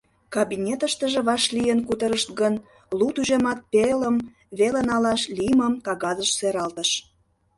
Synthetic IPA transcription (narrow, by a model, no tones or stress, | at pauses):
kɑβinʲet̪əʃt̪ə̆ʒĕβɑʃlijənkut̪əɾəʃt̪ɣən | lut̪uʒemɑt̪̚peləm | βelenɑlɑʃliməmkɑɣɑzəʃseɾɑlt̪əʃ